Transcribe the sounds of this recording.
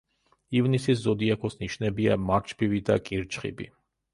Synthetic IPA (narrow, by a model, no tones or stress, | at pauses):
ivnisizzɔd̪ijakɔsniʃnɛbia̰maɾt͡ʃpivid̪a̰kʼiɾt͡ʃχḭbḭ